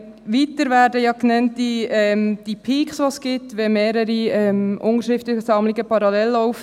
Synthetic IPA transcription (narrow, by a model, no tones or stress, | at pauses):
ʋitəɾʋæːɾdəjɑknɛntːiɛmd̥ipʰiːksʋosɡ̥ɪtʋɛmeːɾəɾiɛmʔʊnəɾʃɾɪft̪lɪçəsɑmliɡəpʰɑɾɑlɛlːɔwf